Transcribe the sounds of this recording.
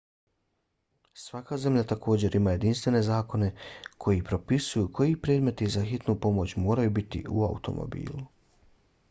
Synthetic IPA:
sʋakaze̞mʎʲat̪akʰo̞ːd͡ʑe̞ɾʔimaːje̞d̪inst̪ʋe̞ne̞zaːko̞ne̞kʰo̞jipɾo̞pisujukʰo̞jipɾeːd̪me̞t̪izaxit̪nupo̞mo̞t͡ɕmo̞ːɾajubit̪ḭʔṵa̰ṵt̪o̞̰mo̰bḭːlˠu

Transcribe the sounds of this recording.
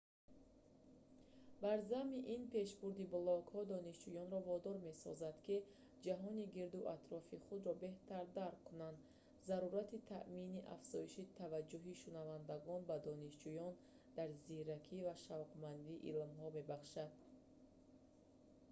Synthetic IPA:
baɾzamiʔinpʰe̞ʃbuɾd̪iblɔkhɔd̪ɔniʃd͡ʒujɔnɾɔvɔd̪ɔɾme̞sɔ̰zad̪ki | d͡ʒaɦɔniɡiɾd̪uʔat̪ɾɔfiχud̪ɾɔbe̞ht̪aɾd̪aɾqkʰːunand̪ | zaɾuɾat̪it̪ʰa̰ʔminiʔa̰fz̥ɔiʃit̪ʰavad͡ʒːuɦiʃunavand̪aɡɔnbad̪ɔniʃd͡ʒujɔn | d̪̥aɾziɾakʰivaʃavqmand̪iʔilmɦɔme̞baχʃad̪̥̚

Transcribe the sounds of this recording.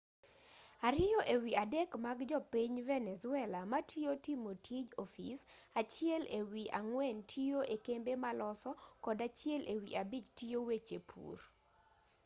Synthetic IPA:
aɾɪjɔʔewiadɛkmaɡd͡ʒɔpiɲvɛnɛzʊɛlamatʰiotimotʰid͡ʒɔfis | at͡ʃɪɛlewiʔa̰ŋwɛntʰioʔekembemalɔsɔkɔdat͡ʃɪɛlʔewḭʔabid͡ʒtijowet͡ʃepʰṵr

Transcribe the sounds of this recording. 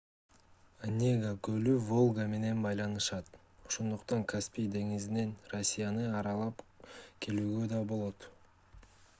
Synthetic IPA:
anʲeɡakølyvo̞lˠɡame̞ne̞nbɑjlˠɑnɯʃɑt̪ | oʃo̞nd̪uqt̪ɑŋkʰaspʲijd̪e̞ŋizine̞nrosʲːijanɯɑɾɑlˠɑpkʲʰe̞lyːɡø̞d̪ɑbo̞lˠo̞t̪

